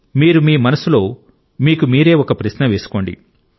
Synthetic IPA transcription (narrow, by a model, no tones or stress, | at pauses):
miːɾumiːmɐnɐsulo̞ː | miːkumiːɾe̞ːɔkɐpɾɐʃnɐʋeːsu̥ko̞ːɳɖḭ